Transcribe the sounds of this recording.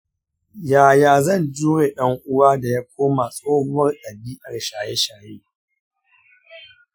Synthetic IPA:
jaː˨jaː˨zɐ˦˨nd͡ʒuː˦ɾeː˨ɗɐ˦ŋʔʊ˦waː˦da˨ja˦kʷoː˦ma˨sʼoː˦bʊ˦wɐ˦rɗɐ˨biː˦ʔɐ˨rʃaː˨je˦ʃaː˨jeː˦

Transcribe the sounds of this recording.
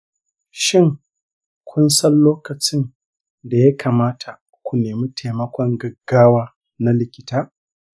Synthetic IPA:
ʃɪ˦ŋ | kʷʊ˦nsɐ˦nloː˦kɐ˨t͡ʃɪ˦n | da˨ja˦kʰaː˨maː˦tʰa˨ | kʷu˨neː˨mi˦tʰa˨mɐ˦kʷɔ˦ŋɡɐ˨ɡːaː˦waː˦ | na˦lɪ˨kʲɪ̥˦taː˦

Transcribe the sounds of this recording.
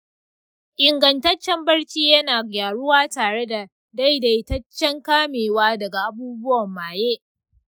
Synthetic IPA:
ʔɪ˨ŋɡɐ˨ntɐ˦t͡ʃːɛ˦mbɐ˦ɽt͡ʃiː˦jɐ˦naː˨ɡʲaː˨ɽʊ˦waː˦taː˨ɽe˦da˨ | da˦jda˨jtɐ˦t͡ʃːɛ˦ŋkaː˦meː˨waː˦dɐ˨ɡa˨ʔa˦buː˦bʊ˦wɐ˨mːaː˨jeː˦ʔ

